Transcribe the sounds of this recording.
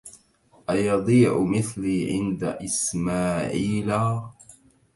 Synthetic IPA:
ʔajɑd̪ˤiːʕʊmɪθliːʕɪnd̪aʔɪsmaːʕiːla

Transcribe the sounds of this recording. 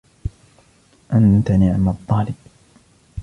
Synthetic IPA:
ʔant̪anɪʕmat̪ˤːɑːlɪb

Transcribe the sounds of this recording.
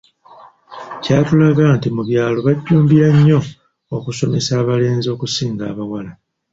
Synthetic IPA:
caːtulaɡantimuβjaːlo̞βaɟːuːmbiɾaɲːo̞ː | kuso̞me̞saːβale̞ːnzio̞ːkusiːŋɡaːβawala

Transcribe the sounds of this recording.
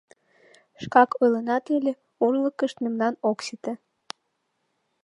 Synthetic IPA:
ʃkɑkɤlənɑt̪elʲe | urləkəʃt̪memnɑnoksit̪e

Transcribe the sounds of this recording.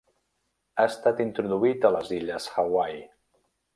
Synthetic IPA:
aəst̪at̪int̪ɾuðuit̪ələziʎəsxawaj

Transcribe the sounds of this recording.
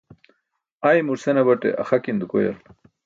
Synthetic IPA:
ajmuɾsenɐbɐʈḛʔa̰xakind̪ukoja̰l

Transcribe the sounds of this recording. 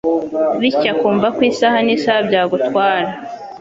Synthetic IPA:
βicakuːɱvakwiːsahaniːsahabɟaːɡutwaːɾa

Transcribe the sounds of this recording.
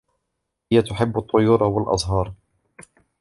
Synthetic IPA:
hɪjːat̪ʊħɪbːɑt̪ˤːʊjʊːɾˤɑwɪlʔɑ̰zˤɦɑːɾˤ

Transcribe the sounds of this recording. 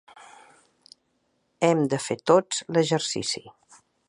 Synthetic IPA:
ɛmd̪əfet̪ot͡sləʒəɾsḭsi

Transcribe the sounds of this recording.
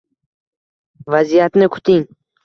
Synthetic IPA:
vazijat̪nɪkʰʊ̥t̪ʰɪŋ

